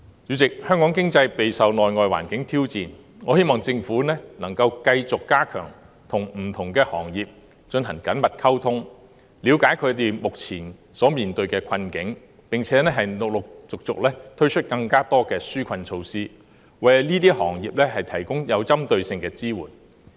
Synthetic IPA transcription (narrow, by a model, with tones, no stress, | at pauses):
jyː˨˧t͡sɪ˨k̚hœː˥ŋkɔː˨˥ŋkɪ˥ŋt͡sɐ˧jpe˨˧jsɐ˨wnɔː˨jŋɔː˨jwa̰ː˨˩nkɪ˨˥ŋt̪ʰiː˥wt͡siː˨n | ŋɔː˨˧he˥jmɔː˨ŋt͡sɪ˧ŋfuː˨˥nɛː˥nɐ˨˩ŋkɐ˧wkɐ˧jt͡sʊ˨kːaː˥kʰœ̰ː˨˩ŋ | t̪ʰʊ˨˩ŋm̩˨˩t̪ʰʊ˨˩ŋkɛː˧hɔ̰ː˨˩ŋjiː˨p̚ | t͡ʃɵ˧nɦɐ˨˩ŋkɐ˨˥nmɐ˨t̚kʰɐ˥wt̪ʰʊ˥ŋ | liː˨˧wkaː˨˥jkʰɵ˨˧t̪̬e˨˩jmʊ˨k̚t͡sʰiː˨˩n | sɔː˨˥miː˨˩nt̪ɵ˧ɥkɛː˧kʰɐ˧nkɪ˨˥ŋ | pɪ˨ŋt͡sʰɛː˨˥nɛː˥ɦɐ˨jnʊ˨k̚lʊ˨k̚t͡sʊ˨k̚t͡sʊ̰˨k̚lɛː˥t̪ʰɵ˥ɥt͡ʃʰɵ˥t̚kɐ˧ŋkaː˥t̪ɔː˥kɛː˧syː˥kʷʰɐ˧nt͡ʃʰo˧wsiː˥ | wɐ˨˩jniː˥t̪iː˥hɔ̰ː˨˩ŋjiː˨p̚lɛː˥ɦɐ˨jt̪ʰɐ˨˩jkʊ˥ŋjɐ˨˧wt͡sɐ˥mt̪ɵ˧ɥsɪ˧ŋkɛː˧t͡siː˥wuː˨˩n